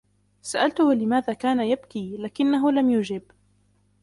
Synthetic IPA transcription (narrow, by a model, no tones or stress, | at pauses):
saʔalt̪ʊhlɪmaːðaːkaːnajabkiːlaːkɪnːaɦʊlamjʊd͡ʒɪb